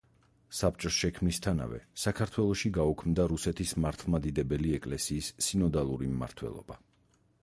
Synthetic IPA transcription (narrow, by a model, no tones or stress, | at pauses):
sap̚ʼt͡ʃʼɔsʃɛkʰmnist̪ʰana̰vɛ̰sakʰaɾt̪ʰwɛlˠɔʃiɡaukʰmd̪aɾusɛt̪ʰismaɾt̪ʰlˠmad̪id̪ɛbɛliɛkʼlɛsiːsːinɔd̪alˠuɾimːa̰ɾt̪ʰwɛ̰lˠɔ̰b̥a